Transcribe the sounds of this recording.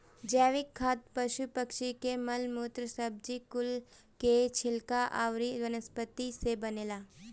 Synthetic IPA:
d͡ʒɛːʋɪkʰːaːt̪̚pɐʃupəkʃikemɐlmoːt̪ɾəsəb̚d͡ʒikʊl | ket͡ʃʰɪlkaʔa̰ːʋɾiɾɐnəspət̪isebɐneːlaː

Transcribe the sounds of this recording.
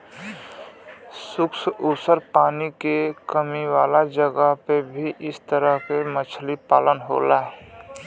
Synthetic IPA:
sʊksʊsəɾpaːnikekəmiwaːlad͡ʒəɡəɦpebʱiʔɪst̪əɾəɦkemət͡ʃʰlipa̰ːlənɦo̰ːlaɦ

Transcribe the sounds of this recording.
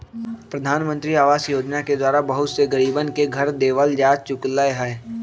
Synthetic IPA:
pɾɐd̪ʱaːnmə̃nt̪ɾiaːʋaːsjoːd͡ʒnaked̪waːɾabəɦʊt̪seɡɐɾiːbənkeɡʱɐɾd̪eːʋəld͡ʒaːd͡ʒt͡ʃʊklaeɦɛ

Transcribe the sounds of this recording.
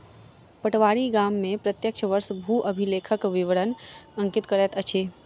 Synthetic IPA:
pəʈʋaːɽiɡaːmːẽpɾət̪jəkʃʰəʋəɾsbʱuʔəbʱileːkʰəkʋɪʋəɽənə̃ŋkɪt̪kəɾɛt̪ət͡ʃʰeː

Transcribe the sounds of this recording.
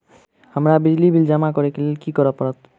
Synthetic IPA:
həmɾabid͡ʒlibʱild͡ʒamakɔɾekelelkikəɾəpəɾət̪

